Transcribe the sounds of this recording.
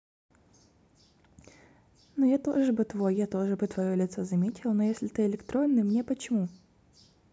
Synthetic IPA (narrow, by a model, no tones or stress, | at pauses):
nojat̪o̞̰ʐɨbɨt̪vo̞jːat̪o̞ʐɨbɨt̪vɐjolʲɪt̪sozɐmʲetʲɪlˠnojesʲlʲɪt̪ɨɪlʲɪkt̪ɾonːɨmnʲepət͡ɕɪmu